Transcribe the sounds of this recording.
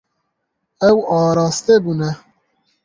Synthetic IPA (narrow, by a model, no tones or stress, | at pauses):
ɛwɑːɾɑːst̪ebuːnɛ